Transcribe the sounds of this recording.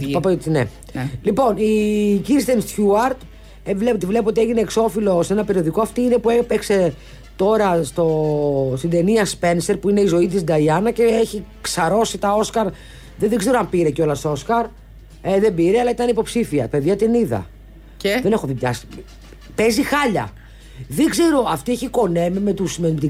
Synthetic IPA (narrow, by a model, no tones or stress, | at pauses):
pɐp̪nḛ | lipo̞niciɾist̪enst̪çuɐɾt̪ | evlepot̪ivle̞poot̪ie̞ʝine̞ːkso̞filo̞seenɐpe̞ɾio̞ðikoɐft̪iine̞puepekse̞ | t̪o̞ɾɐst̪o̞st̪ind̪e̞niɐspe̞nse̞ɾpuine̞izo̞it̪̬isd̪ɐiɐnɐce̞eçiksɐɾo̞sit̪ɐo̞skɐɾ | ðenðeɡze̞ɾoɐmpiɾeco̞lɐst̪oo̞skɐɾ | eðe̞biɾeɐlɐit̪ɐnipo̞psifiɐpe̞ðʝɐt̪iniðɐ̰ | ðe̞ne̞xoðiɲɐ̰si | pezixɐʎɐ̰ | ðeɡze̞ɾo̞ɐft̪ieçiko̞ne̞mimet̪usmenmt̪i